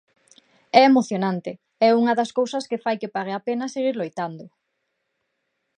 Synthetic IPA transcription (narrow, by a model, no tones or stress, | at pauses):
ɛemoθjonant̪ɪ | ɛuŋɐðɐskowsɐskɪfajkɪpaɾeapenɐseɣiɾlojt̪and̪ʊ